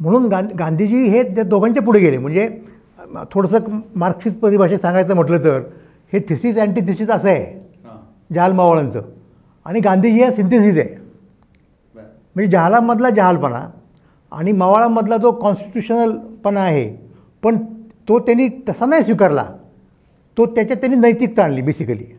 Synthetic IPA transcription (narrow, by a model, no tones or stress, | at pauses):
m̤əɽ̃uːnɡaɡand̪ʱid͡ʑiːɦead̪okʰaɲt͡ɕep̬uɽ̤eɡelem̤əɳd͡ze | t̪ʰoɽəsəːkmaɾkɕiːt͡spəɾibʱaɕesãŋɡajt͡səːm̤əʈləːt̪əɾ | het̪ʰisiːt͡sɛɳʈiːt̪ʰisiːt͡səsəḛ | d͡ʑaɦalmaʋaɭant͡sə̰ː | a̰ɽ̃iɡand̪ʱiːd͡ʑiːɦasint̪esiːd͡zḛ | m̤əɳd͡zed͡ʑaɦalamːəd̪ʱlad͡ʑaɦalpəna̰ | a̰ɽ̃imaʋaɭamːəd̪ʱlad͡zokɔnsʈi̥ʈjuɕənəlpənaːɦḛ | pəɳt̪ot̪janiːt̪əsanajsʋikəɾla̰ | t̪ot̪jat͡ɕjat̪janːiːnəjt̪ik̚t̪aɳliːbisikəlḭː